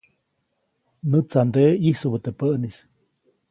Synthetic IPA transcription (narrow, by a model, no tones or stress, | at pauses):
nɨt͡sand̪eisubət̪epəʔnis